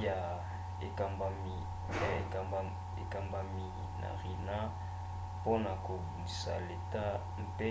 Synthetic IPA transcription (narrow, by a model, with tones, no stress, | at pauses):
ja˨ | ḛ˨ka˨ma˨mi˨ | e˨a˨ | e˨ka˨mba˨mi˨ | na̰˨ʁi˨na˦ | po˦na˨ko˨bu˨di˨sa̰˨le˨ta˦ | m˦pe˦